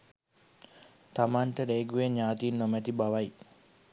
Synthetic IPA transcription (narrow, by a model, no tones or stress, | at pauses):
t̪amaːnʈəɾeːɡueɲɲaːt̪iːnːomæt̪ibaʋaj